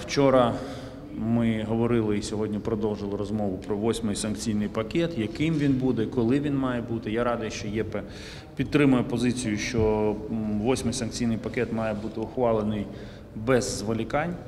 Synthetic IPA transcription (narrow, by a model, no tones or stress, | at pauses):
wt͡ʃɔɾɐ | mɪɦɔʋɔɾɪlˠɪisʲɔɦɔdʲnʲipɾɔd̪ɔwʒɪlˠɪɾɔzmɔʋʊpɾɔʋɔsʲmɪjsɐnkt͡sʲijnɪjpɐkɛt̪jɐkɪmʋʲinbud̪ɛkɔlˠɪʋʲinmɑjɛbut̪ɪjaɾɑd̪ɐjɛʃt͡ʃɔjɛpɛ | pʲit̪̚t̪ːɾɪmʊjɛpɔzɪt͡sʲijʊʃt͡ʃɔ | ʋɔsʲmɪjsɐnk̚t͡sʲijnɪjpɐkɛt̪mɑjɛbut̪ɪʊxʋɑlˠenɪj | bɛzːʋɔlʲɪkɑnʲ